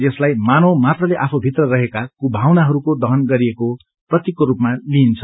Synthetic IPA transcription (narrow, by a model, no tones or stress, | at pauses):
ʌslajmanomat̪rʌleʔapʰobʱit̪rʌrʌɦekakubʱawnaɦʌɾukod̪ʌɦʌnɡʌɾieko | prʌt̪jikːoɾupmaliːnt͡sʰʌ